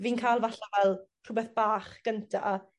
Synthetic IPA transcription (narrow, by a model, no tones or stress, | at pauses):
viːnkʰajlˠvaɬavɛlˠ | r̥ʊbɛθb̥aːχɡ̥əntʰaː